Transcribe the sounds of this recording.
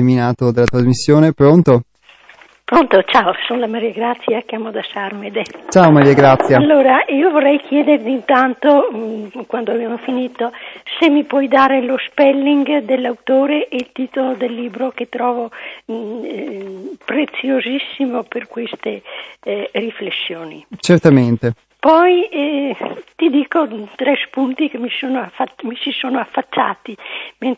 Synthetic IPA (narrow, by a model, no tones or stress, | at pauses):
minaːt̪od̪elat̪ɾazmisːjoːnepɾont̪o | pɾont̪ot͡ʃaːosonlamaɾiaɡɾat̪sːjakjaːmod̪asarmed̪et͡ʃaːomaɾiaɡɾat̪sːjaalːoːɾaiːovorːɛjkjɛːd̪eɾd̪int̪ant̪o | kwand̪oabjamofiniːt̪osemːipwɔjd̪aːɾelospɛlːiŋɡd̪elːawt̪oːɾeʔɛilt̪iːt̪olod̪elːiːbɾoket̪ɾɔːvo | pɾet̪sːjozisːimoperkwest̪e | riflesːjoːnḭt͡ʃert̪ament̪e | pɔj | t̪id̪iːkot̪ɾɛspunt̪ikemisoːnoafamisisoːnoafːat͡ʃːa̰ːt̪imen